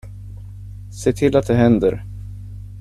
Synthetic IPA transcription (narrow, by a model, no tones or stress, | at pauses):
seːt̪ʰɪlːat̪̚d̪ɛɦɛnd̪əɾ